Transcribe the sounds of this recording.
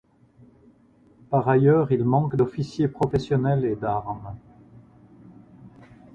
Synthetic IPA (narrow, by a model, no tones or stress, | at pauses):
paʁajœʁilmɑ̃kd̪ɔfisjepχɔfɛsjɔnɛled̪aʁm